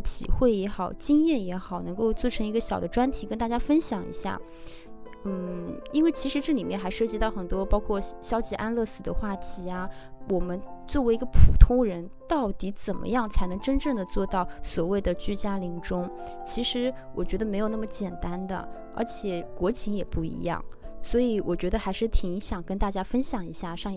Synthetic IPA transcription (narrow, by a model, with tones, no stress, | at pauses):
t̪ʰḭ˨˩xwe˥˩ɪjɛ˧˥xɑ˨˩ʊt͡ɕi˥ŋjɛ˥˩njɛ˧˥xɑ˨˩ʊnɤ˧˥ŋko˥˧ʊt͡swɔ˥˩ʈ͡ʂʰɤ˧˥ŋi˧˥ɡə˧ɕjɑ˨˩ʊd̪ə˦ʈ͡ʂwa˥nt̪ʰi˨˩kə˥nt̪a˥˩t͡ɕja˥fə˥nɕjɑ˨˩ŋḭ˧˥ɕja̰˥˩ | n̩˥˩i˥nwe˥˩ɪt͡ɕʰi˧˥ʂɻ̩˧˥ʈ͡ʂɤ˥˩li˨˩mjɛ˥˩nxa˧˥ɪʂɤ˥˩t͡ɕi˧˥t̪ɑ˥˩ʊxə˨˩nt̪wɔ˥pɑ˥ʊkʰwɔ˥˩ɕjɑ˥ʊt͡ɕi˧˥ʔa˥nlɤ˥˩sɹ̩˥˩d̪ə̰˦xwa˥˩t̪ʰi˧˥a˩ | wʔɔ˨˩mə˦nt͡swɔ˥˩we˧˥ɪi˧˥ɡə˧pʰu˨˩t̪ʰʊ˥ŋɻə˧˥nt̪ɑ˥˩ʊt̪i˧˥t͡sə˨˩nmʔə̰˦jɑ˥˩ŋt͡sʰa˧˥ɪnɤ˧˥ŋʈ͡ʂə˥nʈ͡ʂɤ˥˩ŋd̪ə˩t͡swɔ˥˧t̪ɑ˥˩ʊswɔ˨˩we˥˩ɪd̪ə˩t͡ɕy˥˩t͡ɕja˥li˧˥ŋʈ͡ʂʊ˥ŋ | t͡ɕʰi˧˥ʂɻ̩˧˥wɔ˨˩t͡ɕɥɛ˧˥d̪ə˧me˧˥jo˨˩n˥˩mə˩t͡ɕjɛ˨˩nt̪a˥nd̪ə̰˨ | ə̰˞˧˥t͡ɕʰjɛ˨˩kwɔ˧˥t͡ɕʰi˧˥ŋjɛ˨˩pu˥˩ḭ˧˥jɑ̰˥˩ŋswɔ˧˥i˧˥wɔ˨˩t͡ɕɥɛ˧˥d̪ə˧xa˧˥ɪʂɻ̩˥˩t̪ʰi˨˩ŋi˧˥ɕjɑ˨˩ŋkə˥nt̪a˥˩t͡ɕja˥fə˥nɕjɑ˨˩ŋi˧˥ɕja˥˩ʂɑ˥˩˧ŋ